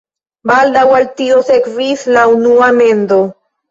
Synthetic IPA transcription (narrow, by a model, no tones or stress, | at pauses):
bald̪awalt̪iosekvislaunuame̞nd̪o̞